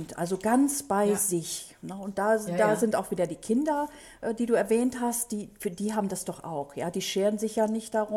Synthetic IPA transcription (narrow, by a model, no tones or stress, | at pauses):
ntʔa̰lzoɡant͡sb̥aɪzɪçnəʊnt̚d̥aːzd̥aːzɪntaʊxv̥iːdɐdiːkʰɪndɐ | ʔɛdiːduːɛɐvɛːnthastd̥iːfdiːɦaːbm̩dasd̥ɔχʔa̰ʊxjaːd̥iːʃeːʁənzɪçjaːnɪçt̚d̥aʁʊ